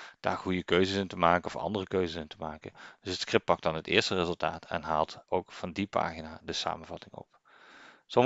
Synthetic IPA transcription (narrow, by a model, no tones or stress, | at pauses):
d̥a̰ːɹχujəkøɥzəsɪntəmaːkənɔfɑ̰ndərəkøɥzəsɪntəmaːkə̰d̥ɵsətskrɪp̚pɑk̚dɑnɦətɪːɹstərɪzɵlˠtaːtʰɛ̰nɦaːlˠtowkfɑndipa̰ːχinaːdəsa̰ːmənvɑtɪŋɔ̰p | sɔm